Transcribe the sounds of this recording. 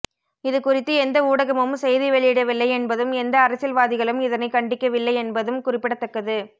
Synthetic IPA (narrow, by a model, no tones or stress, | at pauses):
ɪðɯkʊrɪt̪ːɯɛnd̪ɐuːɽɐɣɐmɯmsɛjðɪʋɛɭɪɪɽɐʋɪlːɐɪɛnbɐðɯmɛnd̪ɐːɾɐsɪlʋaːðɪɣɐɭɯmɪðɐnɐɪkɐɳɖɪkːɐʋɪlːɐɪɛnbɐðɯmkʊrɪpːɪɽɐt̪ːɐkːɐðɯ